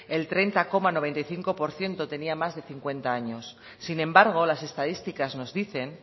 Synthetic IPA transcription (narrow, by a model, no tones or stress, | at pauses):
e̞lt̪ɾe̞nt̪ako̞mano̞β̞e̞nt̪ajθiŋko̞po̞ɾθje̞nt̪o̞t̪e̞niamazðe̞θiŋkwe̞nt̪aaɲo̞sː | inẽ̞mbaɾɣ̞o̞lase̞st̪að̞ist̪ikazno̞zðiθe̞n